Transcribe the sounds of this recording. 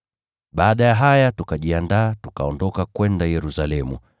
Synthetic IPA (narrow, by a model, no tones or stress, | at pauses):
ɓaːɗajaɦajatukaʄiandaːtukaɔndɔkakwɛndajɛɾusalɛmṵ